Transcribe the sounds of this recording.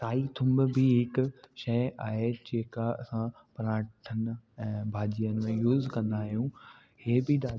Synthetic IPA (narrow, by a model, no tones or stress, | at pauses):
t̪aːit̪ʰʊ̃mbbiɦɪkʃɐɪaːɦed͡ʑeːkaɐ̰sã | pɐɾaːʈʰən̆ɛ̃ːbʱaːd͡ʑijənɪ̆mẽjuːzkɐ̃nd̪aːɦijũ | heːbɪɗaː